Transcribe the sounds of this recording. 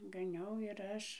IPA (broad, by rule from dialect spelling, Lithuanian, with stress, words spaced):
ɡɐˈnʲɛʊ ɪr ˈɐʃ